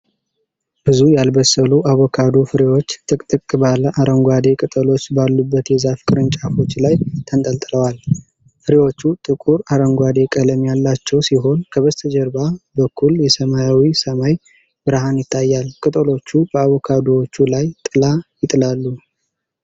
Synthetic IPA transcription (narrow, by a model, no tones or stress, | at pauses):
b̥ɨzujalbəsəluʔaβokʰad̪o̞fɨɾewo̞t͡ʃːt̪ʰʼɨkʼt̪ʼɨkʼbaləʔaɾəŋɡʷad̪e̞kʼɨt̪ʼəlo̞t͡ʃːbalːubːət̪jɛzafkʼɨɾɨnt͡ʃʼafo̞t͡ʃːlajt̪ʰənt̪ʼəlt̪ʼləwal | fɨɾewo̞t͡ʃːut̪ʼɨkʼuɾaɾəŋɡʷad̪e̞kʼələmjalːat͡ʃːɛwsiɦo̞nkʰəβəzt̪ʰəd͡ʒɛɾbabəkʰːuljɛsəmajawisəmaj | bɨɾaɦanjɪt̪ʰːajːalkʼɨt̪ʼəlo̞t͡ʃːub̥əaβokʰad̪o̞wot͡ʃːulajt̪ʼɨlajɪt̪ʼɨlalːu